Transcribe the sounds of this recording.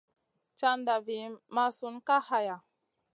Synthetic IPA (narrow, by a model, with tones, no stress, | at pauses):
t͡ʃa˦nda˨vi˨ma˦su˨nka˦ha˨ja˨